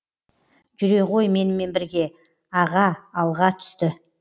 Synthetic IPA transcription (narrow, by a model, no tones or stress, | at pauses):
ʒ̥ʏɾe̞ʁo̞jme̞nɪme̞nbɪɾɡʲe̞ | ɑʁɑːlˠʁɑt̪ʰʏ̥st̪ɪ